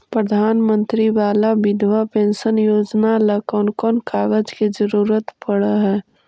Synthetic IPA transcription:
pɾəd̪ʱaːnmə̃nt̪ɾiʋaːlabɪd̪ʱʋapẽːnʃənjoːd͡ʒnalakɔːnkɔːnkaːɡəd͡ʒkid͡ʒəɾuːɾət̪pəɽəɦɛː

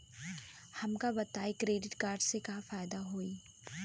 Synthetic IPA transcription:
hɐmkabɐt̪aːikɾeːɖɪʈkaːɾɖsekafaːjd̪aɦoːiː

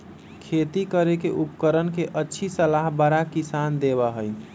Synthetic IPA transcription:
kʰet̪ikəɾekeʔupkəɾənkeʔətːʃʰisəlaɦbəɾakisand̪eβəɦəj

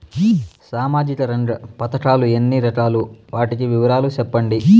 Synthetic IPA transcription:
saːmaːd͡ʒikɐɾɐɳɖɐpɐt̪ɐʈaːluenːiɾɐʈaːluʋaːʈikiʋiʋɐɾaːlut͡ʃɛpːɐɳɖi

